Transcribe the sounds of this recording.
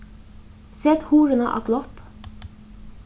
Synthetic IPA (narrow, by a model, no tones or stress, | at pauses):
sɛt̪huːɾənə̰ʔɑ̰ːɡlɔp